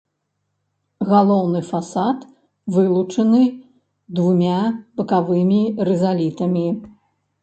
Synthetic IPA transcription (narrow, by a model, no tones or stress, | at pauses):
ɣalˠɔwnɨfasat̪ | vɨlˠut͡ʂɐnɨ | d̪vumʲabɐkavɨmʲiɾɛzalʲit̪ɐmʲi